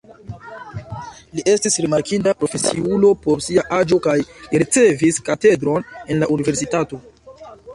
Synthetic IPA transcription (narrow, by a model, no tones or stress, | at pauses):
liʔe̞stisɾimaɾkindapɾo̞fe̞siulo̞po̞ɾsiaʔad͡ʒo̞kajɾit͡se̞viskate̞dɾo̞ne̞nlaʔunive̞ɾsitato̞